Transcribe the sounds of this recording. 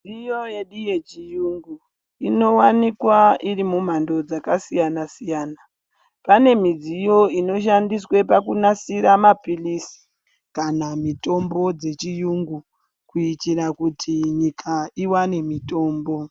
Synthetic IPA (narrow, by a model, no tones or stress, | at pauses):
ijoje̞ɗijet͡ʃijuŋɡu | ino̞wanikwaiɾimum̤ando̞d͡zakasijanasijaːna | pane̞mid͡zijo̞ino̞ʃ̬andiswe̞pakunasiɾamapilisi̥ | kanamito̞mbo̞d͡ze̞t͡ʃijuŋɡu | kuitiɾakutʰiɲikʰaiwane̞mito̞ːmbo̞